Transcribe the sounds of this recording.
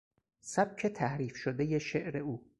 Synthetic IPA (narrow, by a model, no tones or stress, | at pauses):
sæb̥̚cʰe̞t̪ʰæhɾiːfʃod̪ejeʃeʔɾe̞uː